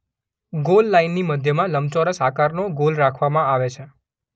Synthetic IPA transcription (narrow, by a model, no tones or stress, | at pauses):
ɡolːainːiməd̪ʱjəmãləmt͡ʃoɾəsakaɾnoɡolɾakʰʋamãaʋet͡ʃʰe